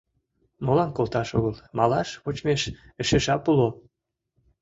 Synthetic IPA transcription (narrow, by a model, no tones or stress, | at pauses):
molɑnkolˠt̪ɑʃoɣəlmɑlɑʃβot͡ɕmeʃ | əʃeʃɑpulo